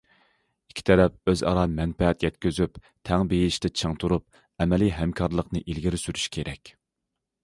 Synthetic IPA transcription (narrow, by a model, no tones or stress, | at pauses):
i̥kʲʰi̥t̪ʰɛɾɛp̚øzɑ̰ɾɑmɛnpɛɦɛt̪jɛt̪kʲyzyp | t̪ʰɛŋbejiɪʃt̪ɪt͡ʃʰɨŋt̪ʰuɾup̚ | ɛmɛliɦɛmkʰɑɾlˠəqnɨʔilɡʲiɾɪsyɾyʃkʲʰeɾɛkʲ